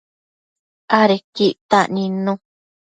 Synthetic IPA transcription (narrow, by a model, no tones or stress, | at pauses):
aɾekiʔt̪aʔnĩnũ